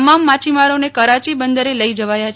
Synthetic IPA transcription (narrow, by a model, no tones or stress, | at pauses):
mamːat͡ʃʰimaɾonekəɾat͡ʃibənd̪əɾeləid͡ʒəʋajat͡ʃʰ